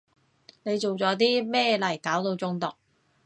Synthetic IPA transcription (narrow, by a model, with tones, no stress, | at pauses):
ne˨˧jt͡so˨wt͡sɔː˨˥t̪̬iː˥mɛː˥˧lɐ˨˩jkaː˨˥wt̪o˧wt͡sʊ˥ŋt̪ʊ˨k̚